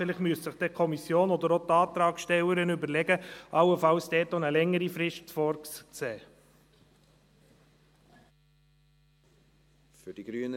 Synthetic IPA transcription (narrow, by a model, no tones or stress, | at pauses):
fɪlɪχtmyəssəχd̥̪ɛkʰɔmisjoːnɔd̪əɾot̪ɑːt̪ɾɑːkʃtɛwəɾənʏbəɾlɛɡəʔɑwəfɑlsd̥ɛːtonəlɛŋːəɾifɾɪʃtfɔɾkst͡sɛː | fyd̥iɡ̥ɾyːn